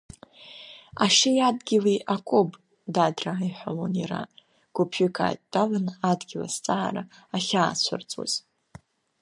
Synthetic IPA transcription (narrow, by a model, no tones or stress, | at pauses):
aʂejadɡʲɪliʔakʷʼob | dadraiħʷalonira̰ | ɡ̥upʰʏkʰa̰ːtʼd̥alɨnadɡʲɪla̰st͡sʼaːɾaːχʲaːt͡ɕʷʰʊ̰rt͡sʼwa̰z̥